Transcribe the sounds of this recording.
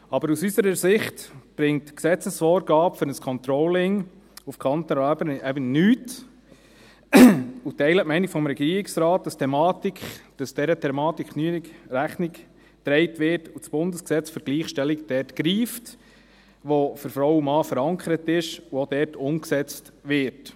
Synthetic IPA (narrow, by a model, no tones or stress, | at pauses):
ɑbəɾusysəɾəsɪχtb̥ɾɪŋtksɛt͡səsfɔːɾɡɑːpføɾnəskʰɔnt̪ɾɔlɪŋ | ufkʰɑnt̪əɾɑːbənɛbənnyːt | utɛɪlətmɛɪniɡ̥fɔmɾɛɡiːɾɪksɾɑːt̚dɑstʰɛmɑːtikχd̥ɑsd̥ɛɾətʰɛmɑːtikʰnyənikɾæχnik | tɾɛɪtʋɪːtusb̥ʊndəsksɛt͡sføɾɡ̥liːχʃtɛlikd̥ɛːɾtkɾiːft | ʋoføɾfɾɔwumɑːfəɾɑŋkʰəɾət̪ɪʃuod̥ɛːɾtʰʊmksɛt͡stʋɪɾt